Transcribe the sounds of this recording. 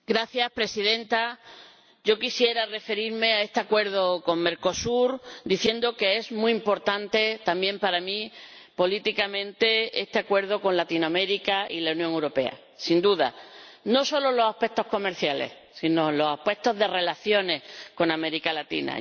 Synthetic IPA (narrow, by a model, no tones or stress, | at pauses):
ɡɾaθjaspɾe̞siðẽ̞nt̪a | ɟ͡ʝo̞kisje̞ɾare̞fe̞ɾiɾme̞ae̞st̪eakwe̞ɾðoko̞ŋme̞ɾko̞suɾd̪iθje̞nd̪oke̞e̞zmuimpo̞ɾt̪ant̪e̞t̪ambjẽ̞mpaɾami | po̞lit̪ikamẽ̞nt̪e̞est̪e̞akwe̞ɾðo̞ko̞nlat̪inoame̞ɾikailaunjoŋewɾo̞pe̞a̰ | sind̪uða̰no̞so̞lolo̞sape̞k̚t̪o̞hko̞me̞ɾθjale̞̰h | sino̞lo̞sape̞k̚t̪o̞zðe̞re̞laθjo̞ne̞ko̞name̞ɾikalat̪ḭna̰